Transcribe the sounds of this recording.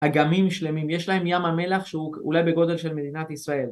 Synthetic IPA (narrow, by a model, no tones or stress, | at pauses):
haɡamimʃle̞mimjeʃlae̞mjamame̞laχʃeuṵlajbe̞ɡo̞d̪e̞lʃe̞lme̞d̪inat̪isʁae̞l